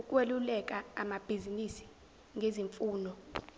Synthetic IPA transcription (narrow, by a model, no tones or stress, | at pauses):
ukʼwelulɛk̬ʼaamab̥ʱizinisi̥ | ŋɡʱeziɱfuːnɔ